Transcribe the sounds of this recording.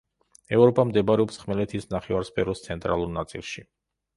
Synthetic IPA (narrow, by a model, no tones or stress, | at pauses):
ɛvɾɔpʼamd̪ɛbɾɛɔpsχmɛlɛt̪ʰisnaχɛvaɾspʰɛɾɔst̪sʰɛnt̪ʼɾalˠuɾnat̪sʼḭlˠʃi